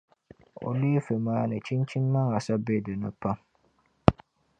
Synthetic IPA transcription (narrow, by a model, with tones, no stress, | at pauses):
o̰˨leː˦fe˨maː˦nɨ˨t͡ʃi˦nt͡ʃi˦nː˦a˦ŋa˨sa˦be˦˨dɨ˨nɨ˦pa˦ŋ